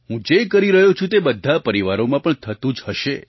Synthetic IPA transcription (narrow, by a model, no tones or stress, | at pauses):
ɦũd͡ʒekəɾiɾəɦjõt͡ʃʰũt̪ebəd̪ʱːapəɾiʋaɾomãpəɳt̪ʰət̪ũd͡ʒhəʃe